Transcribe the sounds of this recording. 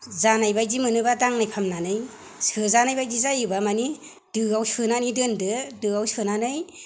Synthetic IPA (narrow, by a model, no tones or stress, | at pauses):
zanajbajzimɯnɯbadaŋnajpʰamnanɯj | sɯzanajbajzizajɯbamani | dɯawsɯnanidɯndɯdɯawsɯnanɯj